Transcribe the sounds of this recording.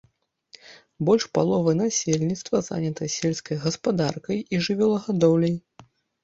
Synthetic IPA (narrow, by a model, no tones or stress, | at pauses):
bɔlʲʂpa̰lˠɔvɐnasʲelʲnʲit̪st̪vɐza̰nʲɐt̪ɐsʲelʲskɐjɣɐspad̪arkɐjiʐɨvʲɛlˠɐɣad̪ɔwlʲɐj